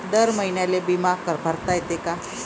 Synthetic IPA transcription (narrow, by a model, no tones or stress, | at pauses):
d̪əɾməɦinjalebimakəɾpəɾt̪ajet̪eka